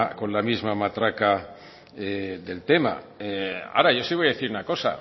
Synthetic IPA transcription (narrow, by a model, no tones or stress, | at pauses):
ko̞nlamizmamat̪ɾaka | eðe̞lt̪ema̰ | ea̰ɾajosiβojaðeθiɾunako̞sa̰